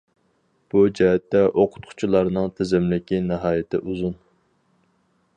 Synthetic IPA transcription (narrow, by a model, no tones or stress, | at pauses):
b̥ud͡ʒɛɦɛt̪ːɛʔoqʰʊ̥t̪̚qʰʊ̥t͡ʃʰilˠɑɾnɨŋt̪ʰɪzɪmlɪkʲinɪɦɑːjɪt̪ʰɪʔuzun